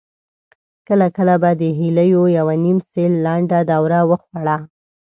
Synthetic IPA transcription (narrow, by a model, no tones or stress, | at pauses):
kəlakəlabad̪əɦiləjojawanimselːaɳɖad̪awɾawəxwaɽa